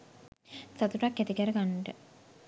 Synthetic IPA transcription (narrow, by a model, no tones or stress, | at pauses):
sat̪uʈakːet̪ikəɾəɡanːʈə